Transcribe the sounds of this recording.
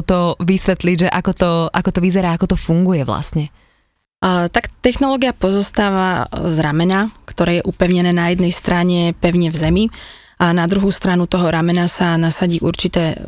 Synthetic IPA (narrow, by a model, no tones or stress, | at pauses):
t̪ɔʋisʋɛt̪liɟʒɛʔakɔt̪ɔʔakɔt̪ɔʋizɛɾaːakɔt̪ɔfuŋɡujɛʋla̰sɲɛ | t̪akt̪ɛxnɔlɔːɡijapɔzɔst̪aːʋazɾamɛnakt̪ɔɾɛːjɛʔupɛʊɲɛnɛːnajɛd̪nɛjst̪ɾaɲɛpɛʊɲɛvzɛmi | anad̪ɾuɦuːst̪ɾanut̪ɔɦɔɾamɛnasanasaɟiːʔuɾt͡ʃit̪ɛː